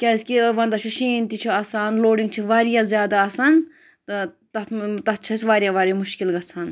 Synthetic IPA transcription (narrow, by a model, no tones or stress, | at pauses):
kʲaskiʋɐnd̪ɐt͡ʃʰuʃiːnt̪it͡ʃʰiaːsaːnloːɖiŋɡt͡ʃʰiʋaːɾijãːzjaːd̪aːsaːn | t̪ | t̪ɐt̪ɐt̪̚t͡ʃʰɐsʲʋaːɾijãːʋaːɾjamuʃkilɡɐt͡sʰaːn